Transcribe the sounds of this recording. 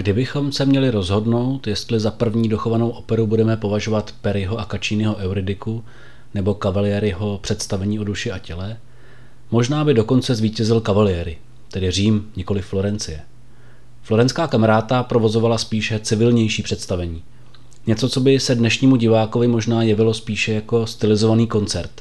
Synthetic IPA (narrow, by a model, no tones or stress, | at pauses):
ɡdɪbɪxo̞msɛmɲɛlɪɾo̞zɦo̞dno̞wt̪jɛst̪lɪzapr̩vɲiːdo̞xo̞vanowʔo̞pɛɾubudɛmɛpo̞vaʒo̞vat̪pɛɾɪɦo̞ʔakat͡ʃiːnɪɛɦo̞ʔɛwɾɪdɪku | nɛbo̞kavalɪjɛɾɪɦo̞pr̝̥ɛt̪st̪avɛɲiːo̞duʃɪʔacɛlɛ | mo̞ʒnaːbɪdo̞ko̞nt͡sɛzviːcɛzɪlkavalɪjɛːɾɪ | t̪ɛdɪr̝iːmɲɪko̞lɪfːlo̞ɾɛnt͡sɪjɛ | flo̞ɾɛnt͡skaːkamaɾaːt̪apɾo̞vo̞zo̞valaspiːʃɛt͡sɪvɪlɲɛjʃiːpr̥ɛt̪st̪avɛɲiː | ɲɛt͡so̞t͡so̞bɪsɛdnɛʃɲiːmuɟɪvaːko̞vɪmo̞ʒnaːjɛvɪlo̞spiːʃɛjako̞st̪ɪlɪzo̞vaniːko̞nt͡sɛɾt̪